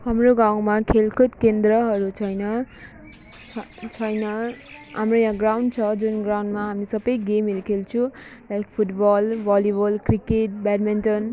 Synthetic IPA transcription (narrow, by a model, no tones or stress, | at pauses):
hamroɡaw̃makʰelkʰot̪kend̪rʌɦʌɾut͡sʰʌjnʌ | ʌt͡sʰʌjnʌ | ɦamrojãɡrawnɖt͡sʰʌd͡zunɡrawnɖmaɦamisʌbʌjɡemelekʰelt͡sʰũ | lajk̚pʰuʈbʌlbʌlibʌlkrikeʈ̚baʈminʈʌn